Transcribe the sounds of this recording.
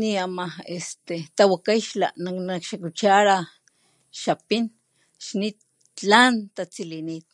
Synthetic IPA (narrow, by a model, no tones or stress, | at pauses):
niamaest̪et̪awakajʃla̰nanakʃakut͡ʃaɾa | ʃapin | ʃnit̪̚ | t͡ɬant̪at͡silinit̪̚